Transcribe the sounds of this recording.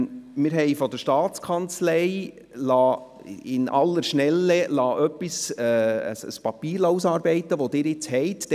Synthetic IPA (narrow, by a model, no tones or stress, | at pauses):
mɪːɾɦɛɪfɔd̪əʃtɑːt͡skʰɑnt͡slɛɪ | lɑː | ɪnʔɑ̰lːəɾʃnɛlːɛlɑːʔœpːisɛːə̰sə̰spɑpiːɾlɑːus̬ɑːɾbɛɪt̪əʋod̪ɪːɾɪt͡shɛɪtd